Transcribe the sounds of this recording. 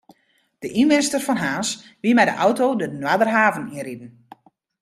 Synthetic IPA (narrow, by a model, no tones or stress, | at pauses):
d̥əʔinmɪnstərfɔnɦaːs | ʋimɛjdəʔɔwtowdənwadərɦaːvəniridən̩